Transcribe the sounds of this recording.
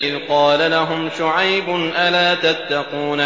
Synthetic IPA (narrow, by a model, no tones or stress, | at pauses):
ʔɪðqɑːlalaɦʊmʃʊʕajbʊnʔalaːt̪at̪ːɑquːna